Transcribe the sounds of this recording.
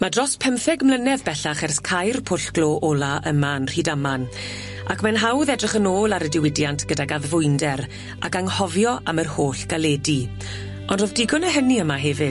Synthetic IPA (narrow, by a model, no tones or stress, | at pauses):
madrɔspʰɛmfɛɡmlənɛvbɛɬaχɛrskʰajrpʰʊɬɡ̥loːʔɔlˠaʔəmanr̥iːdaman | akʰmɛnɦawðɛdrɪχənoːlˠaɾədɪwɪdjantʰɡ̥ədaɡaðvʊɨndɛɾ | ʔakaŋhɔvjɔʔamərhoːɬɡ̥alɛdi | ɔndrɔvdɪɡʊnəɦəniəmaɦɛvɪ